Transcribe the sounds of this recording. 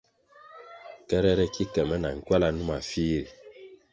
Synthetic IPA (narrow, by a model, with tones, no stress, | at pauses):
kɛ˦ɾɛ˦ɾɛ˦ki˦kɛ˨mɛ˦na̰˨ŋ̩˦kwa˦la˦nu˦ma˨fi˦ɾi˨